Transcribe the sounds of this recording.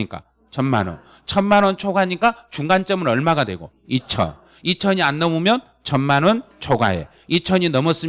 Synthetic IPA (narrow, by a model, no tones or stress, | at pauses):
ik͈a̰ | t͡ɕʰʌnma̰nʌ̰n | t͡ɕʰʌnmanʌnt͡ɕʰoɡaɲik͈at͡ɕuŋɡant͡ɕ͈ʌmɯɾʌɭmaɡadwe̞̰ɡo̰ | it͡ɕʰʌ̰ | it͡ɕʰʌɲianːʌmumjʌn | t͡ɕʰʌnmanʌnt͡ɕʰoɡa̰e̞̰ | it͡ɕʰʌɲinʌmʌs͈ɯ